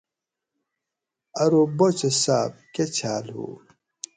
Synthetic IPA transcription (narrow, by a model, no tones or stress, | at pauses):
ɐɾobot͡ɕesaːb̚ket͡ɕʰaːlhṵ